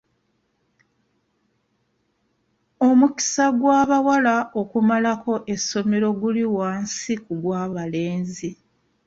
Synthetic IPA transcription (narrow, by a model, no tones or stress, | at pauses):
o̞muki̥saɡwaːβawalaʔo̞kumalako̞ʔe̞sːo̞me̞ɾo̞ɡuliwaːnsikuɡwaːβale̞ːnzi